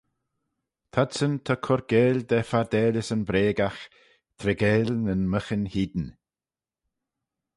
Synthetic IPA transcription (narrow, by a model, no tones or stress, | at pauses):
t̪ʰad̪sənt̪ʰakʰɔɾɡ̥eːlʲd̪ɛfaɾd̪ɛːlʲɪsənbɾeːɡax | t̪ʰɾɛɡeːlʲnənməxənhiːd̪n̩